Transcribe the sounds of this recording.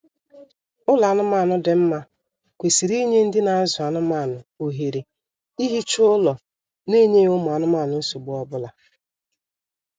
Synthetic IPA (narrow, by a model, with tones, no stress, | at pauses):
ʊ˦la˨nʊ˦maː˦˨nʊ˦dɪ˨m̩˦ma˦ | kʷe˨si˨ɾi˦ɲe˦n̩˦dɪ˦na˨a˦zʊ˨a˨nʊ˦ma˦˨nʊ˨o˨ɦe˨ɾe˨ | i˦ɦi˦t͡ʃʊ˦ʊ˦lɔ˨ | ne˦˨ɲe˦ʊ˦mʊ˨a˨nʊ˦maː˦˨nʊ˨n̩˦sʊ˨ɡ͡bʊ˦ɔ˦bʊ˦la˨